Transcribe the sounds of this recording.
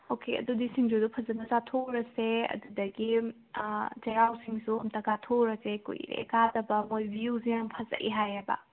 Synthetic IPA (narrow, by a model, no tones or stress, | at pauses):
okʰeɐ̰dudisiŋd͡ʒudupʰɐzɐnɐzatʰoɾɐseɐ̰dudɐɡi | d͡ʒeɾawsiŋsuɐmtɐɡatʰoɾɐsekṵj̰ɾḛkadɐbɐmojbiuzijaŋpʰɐzɐ̰ʔḭɦajɐbɐ̰